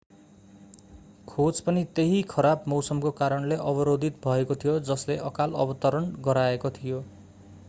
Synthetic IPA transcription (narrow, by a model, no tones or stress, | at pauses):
kʰod͡zpʌnit̪eɦikʰʌɾabmʌwsʌmkokaɾʌnleʔʌbʌɾod̪ʱit̪̚bʱʌekot̪ʰijod͡zʌsleʔʌkalʌbʌt̪ʌɾʌnɡʌɾaekot̪ʰijo